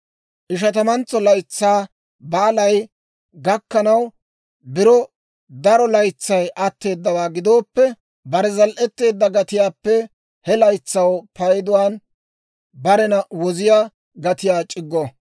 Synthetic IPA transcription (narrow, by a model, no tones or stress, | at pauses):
ʔɪʃ̬ɐt̪ɐmɐnt͡sːɔlɐjt͡sːaː | baːlɐj | ɡɐkːɐnɐw | bɪɾɔ | d̪ɐɾɔlɐjt͡sːɐjʔɐt̪ːe̞ːd̪ːɐwaːɡɪd̪o̞ːpːɛ | bɐɾɛzɐlʔɛt̪ːe̞ːd̪ːɐɡɐt̪ɪjaːpːɛ | hɛlɐjt͡sːɐwpɐjd̪ʊwaːn | bɐɾɛnɐwɔzɪja | ɡɐt̪ɪjaːt͡ʃʼɪɡːɔ